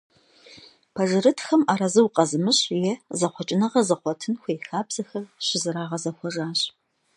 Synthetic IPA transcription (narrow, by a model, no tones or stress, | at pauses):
pʰɐʒɨrɨtʰxɐmaːɾɐzɨwqʼɐzɨmɨɕjɛzɐχʷɔt͡ʃʼɪnɐʁɐzɐχʷɔtʰɨnxʷejxaːbz̥ɐxɐrɕɪzɨɾaːʁɐzɐxʷɔʒʼaːɕʼ